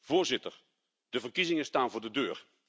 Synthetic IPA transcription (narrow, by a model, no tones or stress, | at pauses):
v̥oːɹzɪtər | d̥əvərkizɪŋəstaːnvʊːrdədøːr